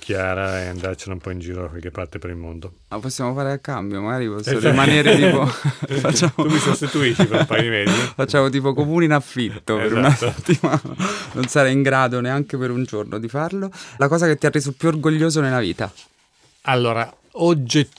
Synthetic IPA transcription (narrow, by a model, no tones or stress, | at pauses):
kʰjaːɾaeand̪aɾt͡ʃenaumpɔind͡ʒiːɾod̪akwalkepːart̪epeɾilmond̪o | apːosːjaːmofaːɾeakːambjomaɡaːɾipɔsːoɾimaneːɾet̪iːpofat͡ʃːaːmoumisost̪it̪uiʃifɾpajimezifat͡ʃːaːmot̪̬iːpokomuːneinaflit̪ːopeɾunaset̪ːimana̰nonsaɾaiŋɡɾaːd̪oneaŋkepeɾund͡ʒornʔod̪ifarlolakɔːzaket̪ːiarːeːzopjuorɡoʎːoːzonelːavḭːt̪a̰ | alːoːɾa | od͡ʒe